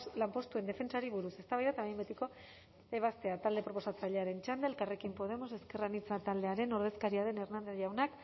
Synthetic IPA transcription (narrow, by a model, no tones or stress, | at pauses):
lampo̞st̪ue̞nd̪e̞fe̞nt͡ʃaɾiβ̞uɾuse̞st̪aβajðat̪aβjmbet̪iko̞ | eβ̞ast̪e̞at̪ald̪e̞pɾo̞po̞sat͡saʎe̞aɾe̞nt͡ʃand̪eːlkare̞kimpo̞ð̞e̞mo̞se̞ske̞ranit͡sat̪ald̪e̞aɾe̞no̞ɾð̞e̞skaɾiaðe̞ne̞rnand̪ezʝawnak